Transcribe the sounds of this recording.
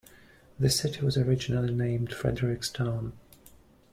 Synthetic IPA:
ðɨsɪɾiwʌzəɹɪd͡ʒnəl̩ˠinẽɪ̃md̥fɹɛ̰dəɹɪkstʰãʊ̃n

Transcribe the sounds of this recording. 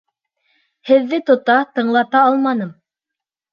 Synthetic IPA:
hɘ̆ðːɘt̪ŏt̪ɑt̪ɤ̆ɴlˠɑt̪ɑɑlˠmɑnɤm

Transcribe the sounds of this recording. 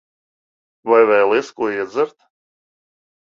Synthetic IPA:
vajvɛːlˠeskuɔiɛd̪zɨɾt̪

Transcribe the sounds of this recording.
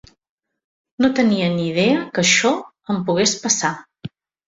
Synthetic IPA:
not̪əniənið̞eəkəʃɔ | əmpuɣ̞espəsa

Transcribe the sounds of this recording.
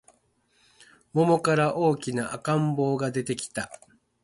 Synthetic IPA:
mo̞mo̞kaɾaʔo̞ːkʲinaʔakãmbo̞ːɡad̪e̞t̪e̞kʲi̥t̪a

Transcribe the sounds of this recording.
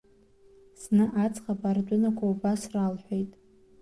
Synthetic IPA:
snɨʔat͡sʼχapʼard͡ʒʷʼʊnakʷʰaubasralħʷᶣejtʼ

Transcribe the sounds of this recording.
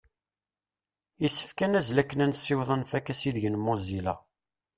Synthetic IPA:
isːə̥fkænæzlækːənænsːɪwðˤənfækːæsiðʝənmʊzilæ̰

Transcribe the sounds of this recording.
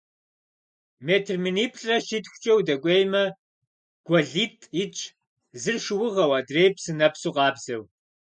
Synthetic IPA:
meːtʰrminiːpʰʼɬʼɐʃitxʷʊ̥t͡ʃʼɐwdɐkʷʼejmɐ | ɡ̥ʷɐɮiːtʼit͡ʃʼʰ | zɨrʂwʊʁɐwɐdrejpsɨnɐpsuqʼɑːbz̥ɐw

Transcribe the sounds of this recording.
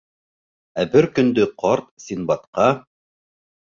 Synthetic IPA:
æbɘɾkɵ̆nd̪ɵqʰɑɾt̪̚sʲinbɑt̪qɑ

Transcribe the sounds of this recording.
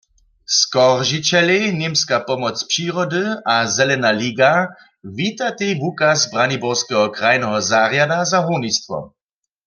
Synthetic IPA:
skɔʁʒit͡ɕɛlenemskapɔmɔt͡spʂiːʁɔdɨazɛlɛnaliːɡa | vit̪at̪ejvukazbʁanibɔʁskɛɦɔkʁajnɛɦɔzaʁjadazaɦunist̪ʋɔ̰

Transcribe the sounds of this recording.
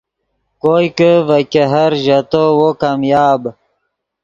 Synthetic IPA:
kojkəvəkeɦɐɾʒɐt̪owokamjaːb

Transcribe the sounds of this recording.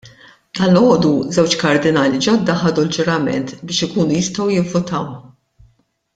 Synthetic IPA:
ɐlːɔːd̪uzɛwt͡ʃkɐɾd̪ɪnɐːlid͡ʒɔd̪ːɐħɐd̪uld͡ʒʊɾɐmɛ̰nt̪bɪːʃɪkuːnujɪst̪ɐwjɪvːʊt̪ɐw

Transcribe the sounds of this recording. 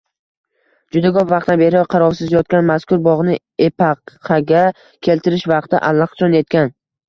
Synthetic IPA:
d͡ʒʊd̪aɡɒpvɑq̚t̪anbe̞ɾɪqʰɑɾɒɾsɪzjɒt̪̚kʲanmaskʊɾbɒʁnɪ | epʰɑqʰɑɡʲa | kʲʰe̞lt̪ʰɪɾɪʃvɑq̚t̪ɪ̰ʔa̰lˠːɑqt͡ʃʰɒnje̞t̪̚kʲan

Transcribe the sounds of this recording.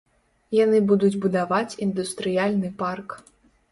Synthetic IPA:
janɨbud̪ud͡zʲbud̪avat͡sʲind̪ust̪ɾɨjalʲnɨpark

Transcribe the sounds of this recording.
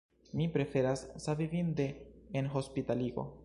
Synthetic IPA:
mipɾe̞fe̞ɾassavivinde̞ːnɦo̞spitaliɡo̞̰

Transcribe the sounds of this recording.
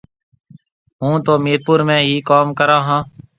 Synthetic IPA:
ɦũːt̪oːmeːɾpuːɾmɛ̃ːɦiːkaːmkəɾãːɦãː

